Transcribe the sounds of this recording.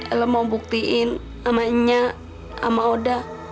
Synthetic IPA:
ələmaubuk̚t̪iʔɪn | amaɲa | a̰maoda

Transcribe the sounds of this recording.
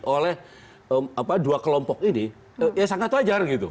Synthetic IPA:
ʔolɛh | əmapaduakəlɔmpɔkini | əjasaŋat̪ːuad͡ʒarɡit̪ṵ

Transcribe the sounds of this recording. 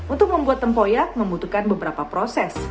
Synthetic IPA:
ʔunt̪ʊk̚məmbuat̪ːəmpojak̚məmbut̪ukanbəbəɾapapɾosɛs

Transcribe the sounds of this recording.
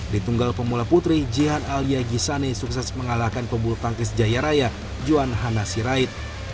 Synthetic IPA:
dit̪uŋɡalpəmulaput̪ɾid͡ʒiɦanaliaɡisanesuksɛsməŋalakanpəbult̪aŋkɪs̬d͡ʒajaɾaja | d͡ʒuanɦanasiɾait̪̚

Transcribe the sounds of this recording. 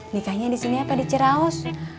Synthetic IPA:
nikahɲadisiniapadit͡ʃəɾaɔs

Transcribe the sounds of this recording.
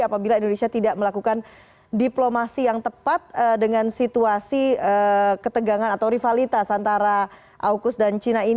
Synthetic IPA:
apabilaindonesiat̪idaʔməlakukan | diplomasijaŋt̪əpat̪̚ədəŋansit̪uasiəkət̪əɡaŋanat̪awɾifalit̪asant̪aɾa | ʔaukʊsdant͡ʃinai

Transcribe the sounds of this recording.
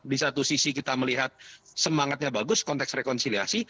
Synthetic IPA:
disat̪usisikit̪aməliɦat̪̚səmaŋat̪̚ɲabaɡʊskɔnt̪ɛksrekɔnsiliasi

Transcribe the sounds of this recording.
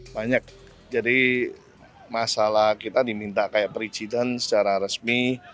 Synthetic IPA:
baɲak̚ | d͡ʒadi | masalahkit̪adimint̪aʔkajaʔpɾisidɛnsə̥t͡ʃaɾaɾəsmi

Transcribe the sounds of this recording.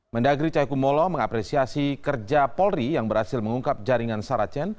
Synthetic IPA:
məndaɡɾit͡ʃajkumɔlɔməŋapɾɛsiasikərd͡ʒapɔlrijaŋbərhasɪlməŋuŋkap̚d͡ʒaɾiŋansaɾat͡ʃɛn

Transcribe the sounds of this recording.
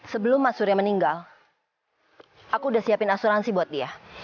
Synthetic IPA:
səbəlʊmːasʊɾjaməniŋɡal | akuːdahsiapɪnasuɾansibuat̪̚dia

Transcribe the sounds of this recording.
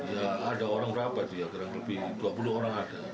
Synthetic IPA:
ijaːdaoɾaŋbəɾapat̪ujakaɾaŋt̪əlpit̪uapuluoɾaŋada

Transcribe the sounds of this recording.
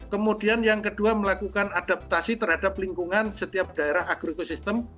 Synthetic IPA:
kəmudianjaŋkəduaməlakukanadap̚t̪asit̪ərhadapliŋkuŋansət̪iap̚d̥aeɾaɦaɡ̥ɾoekosist̪əm

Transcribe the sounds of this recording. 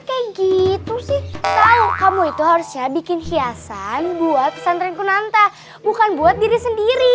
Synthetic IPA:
kajaɡit̪usɪht̪aukamuit̪uɦaɾusɲabikɪnhiasanbuat̪̚sanɾɛŋkunant̪a | bukanbuat̪̚diɾisəndiɾi

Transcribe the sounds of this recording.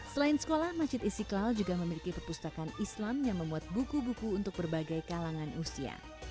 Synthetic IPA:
səlainsə̥kolahmad͡ʒɪt̪isiklald͡ʒuɡaməmilikipəpust̪akanislamjaŋməmbuat̪̚bukubukuːnt̪ʊk̚bərbaɡajkalaŋanʔusia̰

